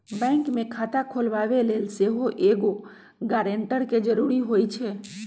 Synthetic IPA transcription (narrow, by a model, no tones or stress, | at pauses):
bɛ̃ːŋkmẽkʰaːt̪akʰoːlʋaːʋeleːlseɦoʔeːɡo | ɡɛːɾẽɳʈəɾked͡ʒəɾuːɾiɦoːit͡ʃʰɛː